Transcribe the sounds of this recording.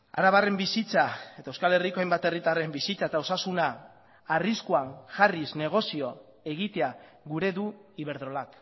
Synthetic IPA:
a̰ɾaβare̞mbisit͡sae̞t̪aewskale̞riko̞ajmbat̪e̞rit̪are̞mbisit͡sae̞t̪ao̞sasunaː | riskuaŋʝarisne̞ɣ̞o̞sio̞ | e̞ɣ̞it̪e̞a | ɣuɾe̞ðuiβ̞e̞ɾðɾo̞lak

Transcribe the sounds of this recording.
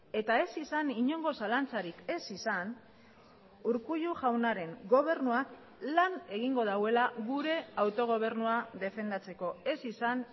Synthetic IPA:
e̞t̪ae̞sisaniɲo̞ŋɡo̞salant͡saɾike̞sisan | uɾkuʎuʝawnaɾe̞ŋɡo̞β̞e̞ɾnuak | lane̞ɣ̞iŋɡo̞ð̞aɣwe̞laɣuɾe̞awt̪o̞ɣ̞o̞β̞e̞ɾnuaðe̞fe̞nd̪at͡se̞ko̞e̞sisan

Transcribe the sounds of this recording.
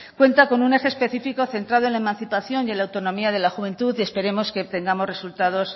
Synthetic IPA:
kwe̞nt̪ako̞nune̞xeːspe̞θifiko̞θe̞nt̪ɾaðoe̞nlaemãnθipaθjo̞nje̞nlawt̪o̞nõ̞miaðe̞laxuβe̞nt̪uðie̞spe̞ɾe̞mo̞ske̞t̪e̞ŋɡamo̞sre̞sult̪að̞o̞s

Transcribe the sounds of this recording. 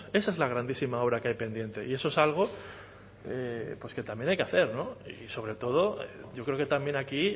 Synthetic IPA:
e̞saezlaɣ̞ɾand̪isimao̞βɾakajpe̞nd̪je̞nt̪e̞ʔie̞so̞esalɣ̞o̞ | epwoske̞t̪ambje̞najkeaθe̞ɾno̞ḭso̞βɾe̞t̪o̞ð̞o̞eɟ͡ʝo̞kɾeo̞ket̪ambjẽ̞naki

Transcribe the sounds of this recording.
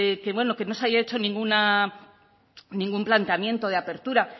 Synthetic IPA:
ekeβwe̞no̞ke̞no̞seajaet͡ʃo̞nĩŋɡuna | nĩŋɡumplant̪eamje̞nt̪o̞ðeape̞ɾt̪uɾa

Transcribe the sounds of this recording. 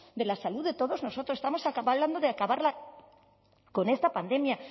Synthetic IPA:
d̪e̞lasaluðe̞t̪o̞ðo̞zno̞so̞t̪ɾoest̪amo̞sakaβaβland̪oðeakaβaɾla | ko̞nest̪apand̪e̞mja

